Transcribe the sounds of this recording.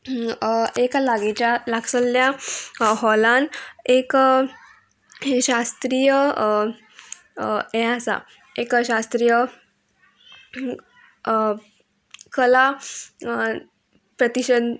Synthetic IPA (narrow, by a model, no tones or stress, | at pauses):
ekalaɡet͡ɕalaɡsəljaɦɔlãnek | ɕast̪ɾijə | ɛ̃asa̰ | ekɕast̪ɾijə | kəla | pɾət̪iɕən